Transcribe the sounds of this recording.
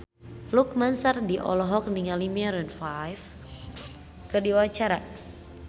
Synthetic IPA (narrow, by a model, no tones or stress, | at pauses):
luk̚mansardiʔɔ̰lɔɦɔk̚niŋalimiaɾɛnfajf | kɨrdiwat͡ʃaɾa